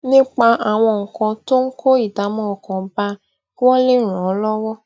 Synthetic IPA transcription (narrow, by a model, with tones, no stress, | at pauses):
nĩ˦k͡pa˧ʔa˨w̃ɔ̃˧ŋ̩˨kɔ̃˧to˦ŋ̩˦ko˦i˦˨da˨˦mɔ̃˦ɔ˧˨kɔ̃˨ba˧˦ | wɔ̃˦le˦˨ɾ̃ɔ̃˨˦lɔ˦wɔ˦